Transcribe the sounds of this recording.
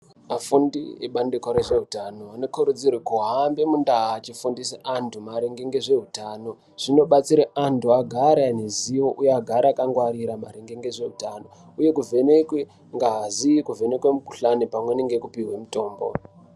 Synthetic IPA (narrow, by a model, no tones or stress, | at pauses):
mafundḭḛɓandekwaɾeʐe̞ɦutano̞ano̞kuɾud͡zirwekuɦambe̞mundaɦaːt͡ʃifundiseantʰumaɾeŋɡeŋɡeʐe̞ɦutaːno̞ | ʐ̥ino̞ɓat͡siɾeʔantʰuaɡʱaɾaneziwo̞ʔujeaɡʱaɾaakaŋɡwaɾiɾamaɾeŋɡeŋɡeʐe̞ɦutano̞ | uje̞kuvʱe̞nekwe | ŋɡaɦazikuve̞ne̞kwemuku̥ɬanepamwe̞neŋɡekupiɦwe̞muto̞ːmbo̞̰